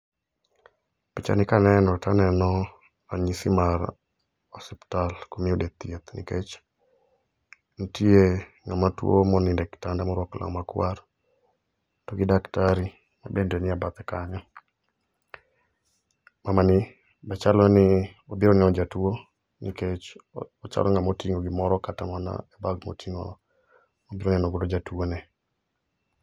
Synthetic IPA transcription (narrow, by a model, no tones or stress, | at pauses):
pit͡ʃa̰nɪkanɛnɔtanɛnɔ | ɾaɲisimar | ɔsɛptalkomɪodet̪jet̪nḭket͡ʃ | nɔtie | ŋamatwo̰mɔnɪndɛktandamɔɾwɔkla̰makwaɾ | tɔɡɪdaktaɾi | ma̰bendɛnɪabat̪ɛkaɲɔ | mamanɪ | bat͡ʃalɔnɪobiɾɔnɛnɔd͡ʒatwo | niket͡ʃɔt͡ʃa̰lʔɔŋamotiŋoɡɪmɔɾɔkatamɔna̰ɛbaɡmo̰tʰiŋo̰ | obɪɾonɛnɔɡʊɾod͡ʒatwonɛ